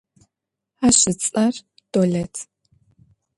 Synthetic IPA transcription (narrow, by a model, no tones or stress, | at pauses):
aːɕɪt͡sʼɐr | d̥oɮɐtʰ